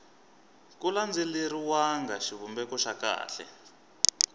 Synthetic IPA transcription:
kuland͡zeliɾiwaŋɡaʃiβumbɛkɔʃaka̰ːɬɛ̰

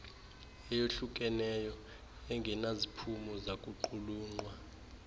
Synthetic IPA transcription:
ɛjoɬuk̬ʼɛnɛjɔ | ɛŋɡʱɛnazipʰumɔzakʼuǃuluːŋ͡ǃwa

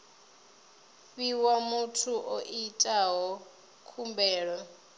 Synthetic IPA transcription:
ɸiwamutʰuʔoʔitʼaɦɔ | kʰumbɛːɺɔ

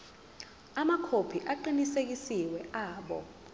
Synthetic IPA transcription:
amakʰopʰiʔaǃinisek̬isiwɛʔaːɓɔ̰

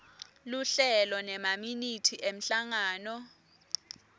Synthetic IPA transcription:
luɬɛlɔnɛmaminitʰiʔem̩ɬaŋaːnɔ

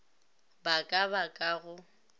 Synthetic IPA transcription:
bakʼaβakʼaɣʊ

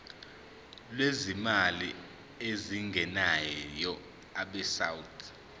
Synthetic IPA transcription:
lwezimali | eziŋɡʱɛnajɔ | aɓɛsawutʰ

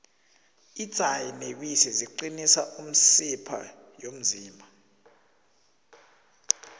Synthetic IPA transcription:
it͡sʼajinek̬wisɛziǃinisaʔum̩sipʰa̰ | jom̩ziːmʱa

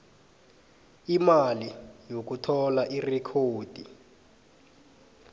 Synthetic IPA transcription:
imalijok̬utʰɔlaʔirɛkʰoːd̥ʱi

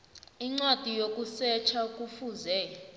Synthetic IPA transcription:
iŋ͡ǀwad̥ʱijokʼusɛt͡ʃʰakʼufuːzɛ

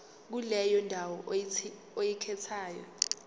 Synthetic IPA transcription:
k̬ulɛjɔndʱawɔ | ojikʰɛtʰaːjɔ̰

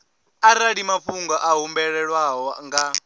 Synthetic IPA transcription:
aɾaɺimapfuŋɡɔʔaɦumbɛɺɛɺwaɦɔŋɡa

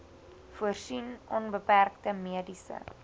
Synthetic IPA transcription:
fuərsinɔnbəpærktəmiədisə̰

